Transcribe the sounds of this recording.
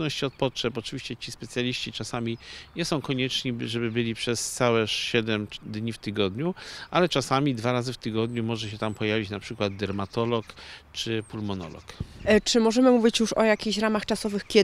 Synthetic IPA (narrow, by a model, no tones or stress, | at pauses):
nɔɕt͡ɕɔt̪̚pɔtʂɛpɔt͡ʂɨvʲiɕt͡ɕɛt͡ɕispɛt̪sʲjalʲiɕt͡ɕit͡ʂasamʲiɲɛsɔ̃w̃kɔɲɛt͡ʂɲiʐɛbɘbɘlʲipʂɛst̪sawɛɕɛd̪ɛmd̪ɲift̪ɘɡɔd̪ɲuʔalɛt͡ʂasamʲid̪vaɾazɘft̪ɘɡɔd̪ɲumɔʐɛɕɛt̪ampɔjavʲit͡ɕnapʂɘkwad̪̚d̪ɛɾmat̪ɔlɔkt͡ʂɘpulmɔnɔ̰lɔ̰kt͡ʂɘmɔʐɛmɘmuvʲit͡ɕjuʂɔjakʲiɕɾamaxt͡ʂasɔvɘxkʲɛ